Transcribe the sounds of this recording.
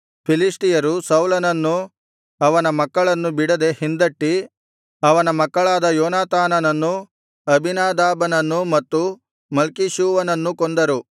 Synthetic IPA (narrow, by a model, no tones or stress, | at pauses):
pʰiliʂʈijɐɾusɐwlɐnɐnːu | ɐʋɐnɐmɐkːɐɭɐnːubiɽɐd̪e̞hind̪ɐʈːi | ɐʋɐnɐmɐkːɐɭaːd̪ɐjɔːnaːt̪aːnɐnɐnːu | ɐbʱinaːd̪aːbɐnɐnːumɐt̪ːu | mɐlkiʃuːʋɐnɐnːukond̪ɐɾu